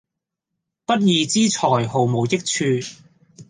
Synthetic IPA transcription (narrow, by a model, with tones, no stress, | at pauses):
pɐ˥t̚jiː˨˧t͡siː˥t͡sʰɔː˨˩jho˨˩wmo˨˧wjɪ˥k̚t͡ʃʰyː˧